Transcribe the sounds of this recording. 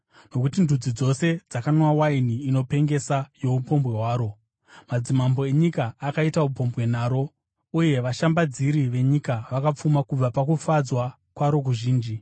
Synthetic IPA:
no̞kutindud͡zid͡zo̞se̞d͡zakanowawainiːno̞pe̞ŋɡe̞sajo̞upo̞mbwe̞ɦwaːɾo̞ | mad͡zimambo̞e̞ɲikaːkaitaupo̞mbwe̞n̤aːɾo̞ | uje̞ʋaʃambad͡ziɾiʋe̞ɲikaʋakap͡fumakub͡vapakufad͡zwa | kwaɾo̞k̬uʒiːnd͡ʒi

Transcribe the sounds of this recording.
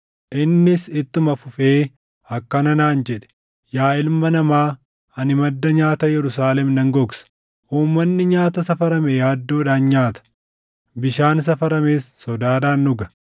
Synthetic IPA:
ʔɪnːɪsɪt̪ːʊmɐfʊfeː | ɐkːɐnɐnaːnd͡ʒɛᶑɛ̥ | jaːɪlmɐnɐmaː | ɐnɪmɐd̪ːɐɲaːt̪ɐjɛɾʊsaːlɛmnɐŋɡɔɡsɐ̥ | ʔuːmːɐnːɪɲaːt̪ɐsɐfɐɾɐmejaːd̪ːo̞ːᶑaːnɲaːt̪ɐ̥ | bɪʃaːns̬ɐfɐɾɐmeːsːɔd̪aːᶑaːnːʊɡɐ̥

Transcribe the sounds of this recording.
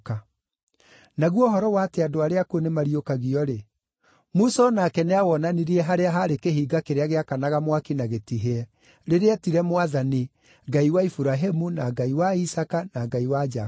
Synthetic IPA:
ka | naɣwɔɦɔɾɔwateadoaɾeakonemaɾiokaɣiɔɾe | musɔnakɛneawɔnaniɾiɛɦaɾeaɦaɾekeɦiːɡakeɾeaɣeakanaɣamwakinaɣetiɦeɛ | ɾeɾeatiɾɛmwaðani | ɡaiwaifuɾaɦemunaɡaiwaisakanaɡaiwad͡ʒa

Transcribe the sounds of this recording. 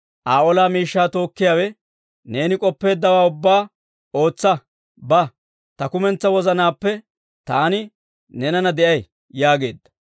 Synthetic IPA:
ʔaːʔɔlaːmiːʃːaːt̪o̞ːkːɪjaːwɛ | ne̞ːnɪkʼɔpːe̞ːd̪ːɐwaːʊbːaː | o̞ːt͡sːɐ | bɐ | t̪ɐkʊmɛnt͡sːɐwɔzɐnaːpːɛ | t̪aːnɪ | nɛnɐnɐd̪ɛʔɐj | jaːɡe̞̰ːd̪ːɐ̥

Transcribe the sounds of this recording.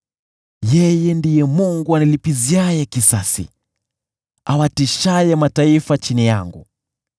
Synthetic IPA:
jɛjɛndijɛmuŋɡuanilipiziajɛkisasḭ | awatiʃajɛmataifat͡ʃinija̰ŋɡṵ

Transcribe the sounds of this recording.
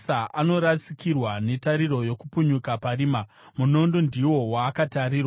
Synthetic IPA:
aʔano̞ɾasi̥kirwane̞taɾiɾo̞jo̞kupuɲukapaɾiːmamuno̞ndondiwo̞waːkataɾiːrwa

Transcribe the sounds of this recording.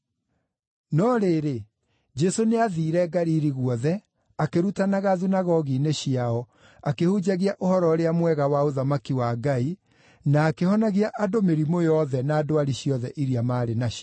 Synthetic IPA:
nɔɾeɾe | d͡ʒɛsoneaðiːɾɛɡaɾiːɾiɣwɔðɛ | akeɾutanaɣaðunaɣɔɣineɕiaɔ | akehud͡ʑaɣiaʔohɔɾɔɾeamwɛɣawaoðamakiwaɡai | naːkehɔnaɣiaʔadomeɾimojɔðɛnaːdoaɾiɕiɔðɛʔiɾiamaːɾenaɕ

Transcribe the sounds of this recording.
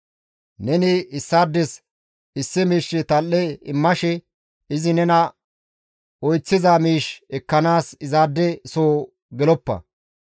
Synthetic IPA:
nɛnɪɪsːaːd̪ːɛs | ɪsːɪmiːʃːɪt̪ɐlːɛɪmːɐʃɛ | ɪzɪnɛnɐ | ɔjt͡sːɪzamiːʃɛkːɐnaːsɪzaːd̪ːɛsoː | ɡɛlɔpːɐ̰

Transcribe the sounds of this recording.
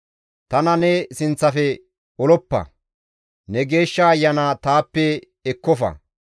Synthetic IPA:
t̪ɐnɐnɛsɪnt͡sːɐfɛ | ɔlɔpːɐ̰ | nɛɡeːʃːɐːjːɐnaːt̪aːpːɛ | ɛkːɔfɐ̰

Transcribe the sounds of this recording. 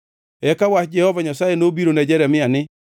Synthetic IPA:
ɛkawad͡ʒɛhɔvaɲasajenobiɾonɛd͡ʒɛɾɛmiane

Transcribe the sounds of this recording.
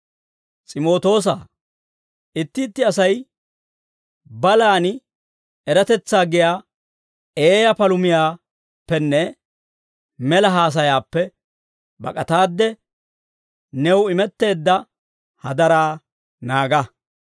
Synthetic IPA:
t͡sʼɪmo̞ːt̪o̞ːs̬aː | ʔɪt̪ːɪːt̪ːɪɐsɐj | bɐlaːnɪ | ɛɾɐt̪ɛt͡sːaːɡɪjaː | eːjɐpɐlʊmɪjaː | pːɛnːɛ | mɛlɐɦaːs̬ɐjaːpːɛ | bɐ̰kʼɐt̪aːd̪ːɛ | nɛwɪmɛt̪ːe̞ːd̪ːɐ | hɐd̪ɐɾaː | naːɡɐ

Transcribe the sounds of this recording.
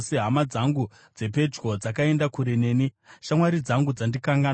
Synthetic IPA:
seɦamad͡zaŋɡu | d͡ze̞pe̞d͡ʒɡo̞d͡zakae̞ndakuɾene̞ːni | ʃamwaɾid͡zaŋɡud͡zandikaŋɡa

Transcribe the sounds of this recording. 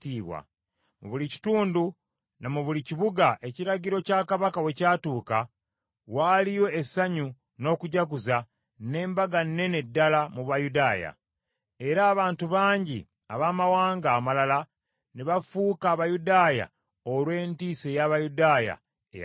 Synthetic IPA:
tiːβwa̰ | mṵβulici̥tuːndu | namuβuliciβuɡaʔe̞ciɾaɟiɾo̞caːkaβakawe̞caːtuːka | waːlijo̞esaɲu | no̞ːkuɟakuza | ne̞ːmbaɡanːe̞ne̞dːalamuβajudaːja̰ | e̞ɾaːβaːntuβaːɲɟḭ | aβaːmawaːŋɡaːmalala | neβafuːkaːβajudaːja̰ | olwe̞ːntiːse̞jaβajudaːja̰ | e

